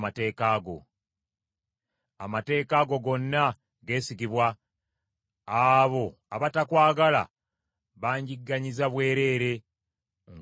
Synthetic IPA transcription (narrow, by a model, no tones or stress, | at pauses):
mate̞ːkaːɡo̞̰ | a̰mate̞ːkaɡo̞ɡo̞nːa | ɡe̞ːsikiβwa | βo̞ | aβatakwaːɡala̰ | βaːɲɟiɡːaɲizaβwe̞ːɾe̞ːɾe̞ | ŋ